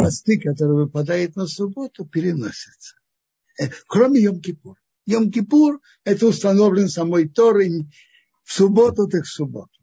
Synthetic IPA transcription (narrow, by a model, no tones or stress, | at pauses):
ast̪ikat̪əɾvɛpat̪ajɛt̪nəsubɔt̪ɔpiɾinɔ̰sɛt͡s | ɛkɾɔmijɔmkipuɾ | jɔmkipuɾ | ɛt̪unst̪and̪ɔblinsamɔjt̪ɔɾiɲ | subɔt̪ɔt̪ɛksubɔ̰t̪u̥